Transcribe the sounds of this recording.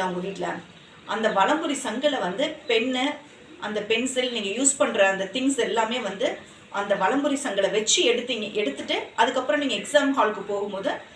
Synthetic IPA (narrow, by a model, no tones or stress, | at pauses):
aːʋɐŋɡɐʊʋiːʈːla̰ːnɐ | ʔɐnd̪ɐʋɐɭɐmbɯɾisɐŋɡɐɭɐʋɐnd̪ɯpɛɳːɯ | ʔɐnd̪ɐpɛɳsɪlniːŋɡɐjuːspɐɳɾɐɐnd̪ɐt̪ɪŋsɛlːaːmeːʋɐnd̪ɯ | ʔɐnd̪ɐʋɐɭɐmbɯɾisɐŋɡɐɭɐʋɛt͡ʃːiɛɽɯt̪ːiːŋɡɐʔɛɽɯt̪ːɯʈːɯʔɐðɯkːɐpːɯɾɐ̃niːŋɡɐɛksaːmɦaːlkːɯpoːɣɯmpoːðɯ